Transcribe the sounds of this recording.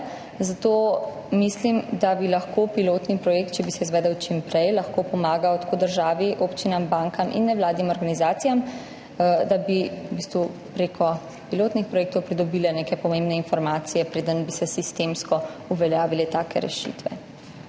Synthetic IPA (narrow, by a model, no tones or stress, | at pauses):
zat̪o | mislimd̪abilaxkopiloːt̪nipɾɔjeːk̚t̪̚t͡ʃɛbisɛizʋɛːd̪əwt͡ʃimpɾɛjlɐxkopɔmaːɡawt̪ḁkod̪əɾʒaːʋiʔoːpt͡ʃinambaŋkʰamʔḭnːɛwlaːd̪nimɔɾɡanizaːt̪sijam | d̪abiubist̪ʋupɾeːkʰɔ | piloːt̪nixpɾɔjeːk̚t̪ɔwpɾid̪ɔbiːlɛneːkɛpɔmẽmbnɛinfɔɾmaːt̪sijɛpɾeːd̪ənbisɛsist̪emskɔuʋɛljaːʋilɛt̪aːkɛ̰ɾɛ̰ʃḭt̪ʋɛ̰